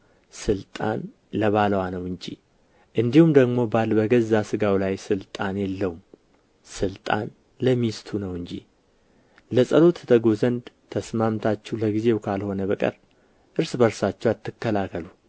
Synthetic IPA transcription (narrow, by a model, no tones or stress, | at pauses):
sɨlt̪ʼa̰n | ləβalwanəwɨɲd͡ʒḭ | ʔɨnd̪ihumd̪əɡmo̞balbəɡəzːasɨɡawlajsɨlt̪ʼanjɛlːəwum | sɨlt̪ʼa̰n | ləmːist̪ʰunəwɨɲd͡ʒḭ | ləsʼəlo̞t̪t̪ʰəɡozənd̪t̪ʰəsmamt̪ʰat͡ʃːɛwləɡize̞wkʰalho̞nəβəkʼə̰ɾ | ʔɨɾsbəɾsat͡ʃːɛwat̪ːɨkːəlakːəlu